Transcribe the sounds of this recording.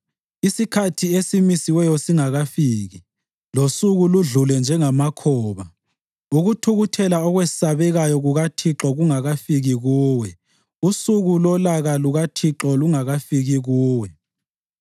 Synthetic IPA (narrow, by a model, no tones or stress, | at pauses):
isikʰatʰiesimisiwɛjɔsiŋaɣafiːɣi | losuɣuluɮulɛnd͡ʒʱɛŋamakʰɔːβa | uɣutʰuɣutʰɛlaɔɣwessaβɛɣajɔɣuɣatʰiǁɔɣuŋaɣafiɣiɣuːwɛ | usuɣulɔlaɣaluɣatʰiǁɔluŋaɣafiɣiɣuːwɛ